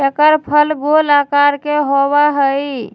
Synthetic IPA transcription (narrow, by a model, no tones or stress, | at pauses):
ekəɾpʰəlɡolakaɾkeɦoβaɦəj